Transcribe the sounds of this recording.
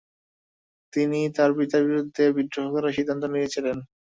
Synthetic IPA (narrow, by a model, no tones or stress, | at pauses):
t̪init̪aɾbit̪abiɾud̪ʱːebid̪ːoɦokaɾaʃid̪ʱːant̪omiɾet͡ɕʰilen